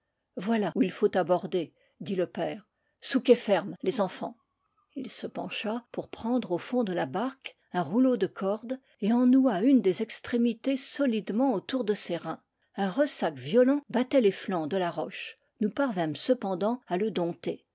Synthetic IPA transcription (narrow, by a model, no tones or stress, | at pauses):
vwalauilfot̪abɔʁd̪e | d̪iləpɛːʁ | sukʲefɛʁmlezɑ̃fɑ̰̃ | ilsəpɑ̰̃ʃapuʁpχɑ̃d̪ʁofɔ̃d̪əlabaʁk | ɛ̃ʁulod̪əkʰɔʁd̪ | eɑ̃nuaynd̪ezɛkst̪χemit̪esɔlid̪mɑ̃ot̪uʁd̪əseʁɛ̃ | ɛ̃ʁəsakvjɔlɑ̃bat̪ɛleflɑ̃d̪əlaʁɔʃ | nupaʁvɛ̃msəpɑ̃d̪ɑ̃aləd̪ɔ̃t̪e